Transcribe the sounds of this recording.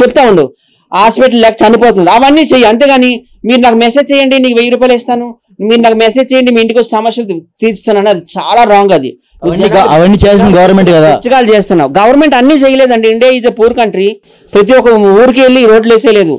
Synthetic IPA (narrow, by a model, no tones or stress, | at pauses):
t͡ʃepːut̪aːuɳɖi | aːspeʈ̬ɐllɛksɐnipoːt̪̬und̪iɐʋɐnːiːt͡ʃejiɐnt̪e̞ːɡaːni | miːɾunaːkumesed͡ʒt͡ʃɛjɐɳɖiniːkuʋejɐɾup̬ɐleːst̪aːnu | miːɾunaːkumesed͡ʒt͡ʃɛjɐɳɖimiːiɳʈikot͡ʃːɛsɐmɐʃʂjɐlt̪iːɾt͡ʃt̪unːaːnɐd̪it͡ʃaːlaːɾaːŋɡɐd̪ḭ | iɡɐʋɐnːiːt͡ʃeːsinɐɡɐʋɐɾnmeɳʈɡɐd̪aːt͡ʃːɐkaːlut͡ʃeːst̪unːaːɾuɡɐʋɐɾnme̞ɳʈɐnːiːt͡ʃɛjɐleːd̪ɐɳʈeiɳɖijaːid͡ʒepuːɾkɐɳʈɾi | pɾɐt̪̬iɔkɐuːɾikelːiɾo̞ːɖleːsejle̞ːd̪ṵ